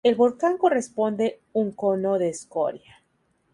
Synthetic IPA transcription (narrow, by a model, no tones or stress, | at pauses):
e̞lβo̞lkaŋko̞re̞spo̞nd̪e̞ | uŋko̞noðe̞ːsko̞̰ɾja